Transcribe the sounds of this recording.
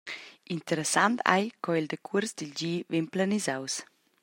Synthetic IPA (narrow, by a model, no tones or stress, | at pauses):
int̪əɾɛsant̪ʰa̰jkɔild̪əkʰuɾsd̪ild͡ʒiːvenplanizaws